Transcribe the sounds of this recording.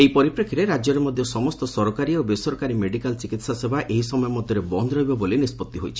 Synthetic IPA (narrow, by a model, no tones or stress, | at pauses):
eipɔɾipɾekʰiɾeɾad͡ʒjɔɾemɔd̪ʱjɔsɔmɔst̪ɔsɔɾɔkaɾiobesɔɾɔkaɾimeɖikalt͡ʃikit̪sasebaʔeɦisɔmɔjɔmɔd̪ʱjɔɾebɔnd̪ɔɾɔɦibɔbolinispɔt̪ːiɦojt͡ʃʰi̥